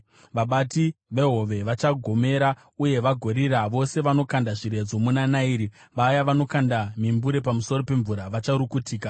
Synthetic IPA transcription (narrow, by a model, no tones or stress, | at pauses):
ʋaɓatiʋe̞ɦo̞ʋe̞ʋat͡ʃaɡʱo̞me̞ːɾa | uje̞ʋaɡʱo̞ɾiɾaʋo̞se̞ʋano̞kandaʐiɾe̞d͡zo̞munanaiɾi | ʋajaʋano̞kandamimbuɾe̞pamuso̞ro̞pe̞ɱvuɾaʋat͡ʃaɾukutiːka